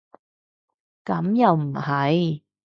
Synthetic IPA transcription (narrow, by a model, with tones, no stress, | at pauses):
kɐ˨˥mjɐ˨wm̩˨˩hɐ˨˧˥j